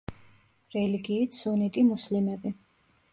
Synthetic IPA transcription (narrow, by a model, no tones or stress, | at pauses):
ɾɛliɡiːt̪sɔnɛt̪ʼimuslimɛbi